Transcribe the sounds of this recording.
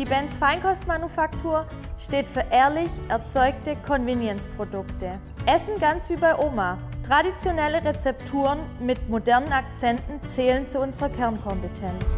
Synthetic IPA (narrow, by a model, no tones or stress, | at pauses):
d̥iːbɛnsfaɪnkʰɔstmanufaktʰuːɐ | ʃteːtfyːɐʔɛːɐlɪçʔɛɐt͡sɔʏk̚təkʰɔnvinjɛnspʁ̥odʊktə | ʔɛsn̩ɡant͡sv̥iːbaɪʔoːmatʁ̥adit͡sjonɛləʁet͡sɛp̚tʰuːʁənmɪtmodɛɐnənak̚t͡sɛntn̩t͡sɛːlənt͡suʊnzəʁɐkʰɛɐnkʰɔmpətʰɛns